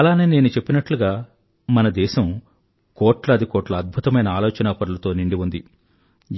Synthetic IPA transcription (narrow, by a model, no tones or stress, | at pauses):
ɐlaːne̞ːne̞ːnut͡ʃe̞pːinɐʈluɡaː | mɐnɐd̪ɛːʃɐm | koːʈlɐɐd̪ikoːʈlɐɐd̪̚bʱut̪ɐmɐjnɐaːlɔːt͡ʃɐnaːpɐɾulɐt̪o̞ːniɳɖiʋund̪i